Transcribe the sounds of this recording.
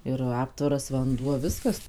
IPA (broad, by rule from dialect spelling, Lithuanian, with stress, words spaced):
ɪr ˈɑːptʋɐrɐs ʋɐnˈduɔ ˈʋʲɪskɐs